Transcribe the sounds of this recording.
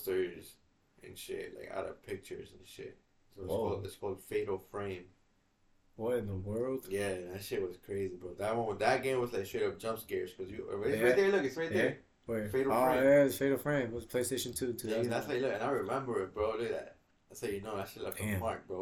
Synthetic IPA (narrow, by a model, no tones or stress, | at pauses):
stə˞z̥ | ʔɨ̰̃nʃɪ̰tla̰ɪka̰ɾə̰v̥pʰɪk̚t͡ʃə̰˞z̃n̩ʃɪ̰t̚ | soɔlˠdɨ̰tskʰɔlˠd̥feɪɾl̩ˠfɹẽɪ̃m | wʌɾɨ̃nðəwɜ˞lˠd̥jæɨ̃næʃlit̚wʌz̥kʰɹ̥eɪzibʌt̪̚ðɨt̚wõʊmə̃nðət̚ɡ̥ẽɪ̃mwʌzlaɪkʃeɪɾʌp̚d͡ʒʌ̃mpsɡ̥ez̥kʰʌzjɨɪsaɪðə˞lʊkɨtsɹaɪt̪̚ðæ˞ | wɛfeɪɾl̩æɨzfeɪɾl̩ˠfɹẽɪ̃mʌzpʰl̥eɪsteɪʃntʰʉ̃tʰʉ̃ðætslaɪklʊkɨ̃naɪɹɨmɛ̃mbə˞ɨbɹoʊdɨðæ̰t̚ | ɪsɛdjɨnoʊæk̚t͡ʃl̩ˠilaɪkæ̃mɑɹk̚b̥ɹo